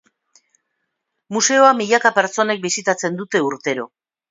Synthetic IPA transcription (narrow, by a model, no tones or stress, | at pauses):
muse̞o̞amiʎakape̞ɾt͡so̞ne̞k̚bisit̪at͡se̞nd̪ut̪e̞uɾt̪e̞ɾo̞